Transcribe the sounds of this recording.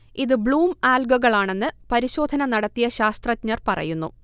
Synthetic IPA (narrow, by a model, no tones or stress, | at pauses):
iðɨbɭuːmaːlɡɐɣɐɭaːɳe̞nːɨpɐɾiɕo̞ːd̪ʱɐnɐnɐɽɐt̪ːijɐɕaːst̪rɐtɲɐrpɐrɐ̰junːṵ